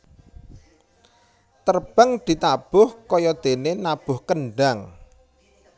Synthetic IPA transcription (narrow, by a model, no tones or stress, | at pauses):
t̪ərb̥əŋd̪̥i̤t̪ab̥ʊhkɔjɔd̪̥e̤nenab̥ʊ̤hkəɳɖaŋ